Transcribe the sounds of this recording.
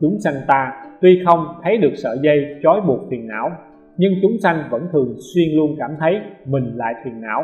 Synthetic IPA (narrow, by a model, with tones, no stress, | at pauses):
t͡ɕʊ˨˦ŋ͡msa˧jŋ̟t̪aː˧t̪wi˧xə˧wŋ͡mt̪ʰə˨˦jɗɨ˨˩ək̚sə̰ː˧˨zə˧jt͡ɕɔ˨˦jɓu˨˩ək̚t̪wi˨˩ənʔa̰ː˧˩w | ɲɨ˧ŋt͡ɕʊ˨˦ŋ͡msa˧jŋ̟və̰˧˥nt̪ʰɨ˨˩əŋswi˧ənlu˧ənkaː˧˩mt̪ʰə˨˦jmï˨˩ŋ̟la̰ː˧˨jt̪ʰi˨˩ənʔa̰ː˧˥˩w